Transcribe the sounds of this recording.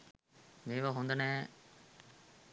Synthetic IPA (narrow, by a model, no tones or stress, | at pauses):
meːʋɐɦund̪ɐnɛː